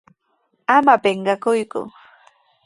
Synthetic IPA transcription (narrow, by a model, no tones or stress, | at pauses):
amapeɴɢɑkʊjkʊ̰